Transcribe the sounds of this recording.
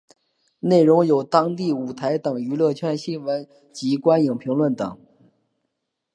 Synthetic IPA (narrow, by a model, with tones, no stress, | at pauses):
ne˥˩ɪɻʊ˧˥ŋjo˨˩ʊt̪ɑ˥ŋt̪i˥˩u˨˩t̪ʰa˧˥ɪt̪ɤ˨˩ŋy˧˥lɤ˥˧t͡ɕʰɥɛ˥˧nɕi˥nwə˧˥n | t͡ɕi˧˥kwa˥nji˨˩ŋpʰi˧˥ŋlwə˥˩nt̪ɤ̰˨˩˦ŋ